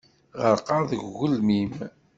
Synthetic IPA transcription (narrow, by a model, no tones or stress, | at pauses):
ʁəɾqɑɾðəɡːʊlmim